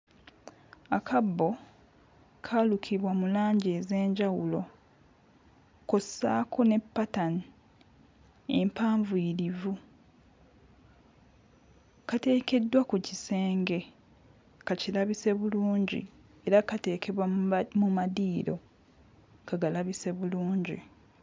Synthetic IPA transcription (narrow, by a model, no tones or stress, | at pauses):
akʰabːo̞ | kʰalukʰiβwamulaːɲɟe̞ːze̞ːɲɟawulo̞ | ko̞sa̰ːkʰo̞ne̞pːatani | e̞mpaːɱviːɾivu | kate̞ːke̞dːwakucise̞ːŋɡe̞ | kacilaβise̞βuluːɲɟḭ | e̞ɾakate̞ːkʰe̞βwamumadiːɾo̞̰ | kaɡalaβise̞βuluːɲɟḭ